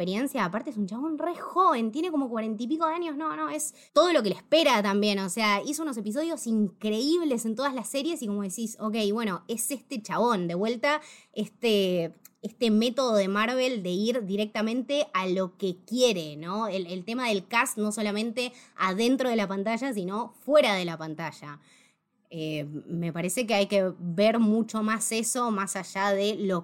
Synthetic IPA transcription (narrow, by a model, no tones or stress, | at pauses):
peɾjensjaːpaɾt̪ees̬unt͡ʃaβo̞nrexo̞βe̞nt̪je̞neko̞mo̞kwaɾe̞nt̪ip̬iko̞ðeaɲjosno̞no̞e̞s | t̪o̞ð̞o̞lo̞k̬e̞lehspeɾat̪ambje̞no̞seaisouno̞s̬e̞pis̬o̞ðjo̞siŋkɾeiβ̞le̞sent̪o̞ð̞azlasːe̞ɾje̞sikomo̞ð̞esiso̞ke̞jβwe̞no̞esest̪e̞t͡ʃaβo̞nd̪e̞βwe̞lt̪aest̪eest̪eme̞t̪o̞ð̞oðe̞maɾβ̞e̞ld̪e̞iɾd̪iɾek̚t̪amẽ̞nt̪e̞ʔalo̞kekjeɾeno̞elelt̪e̞maðe̞lkasno̞so̞lamẽnt̪e̞aðe̞nt̪ɾo̞ð̞elapant̪aʒasino̞fwe̞ɾað̞e̞lapant̪aʒ̥a | eme̞paɾese̞k̬eajkeβeɾmut͡ʃo̞mase̞so̞masaʒaðelo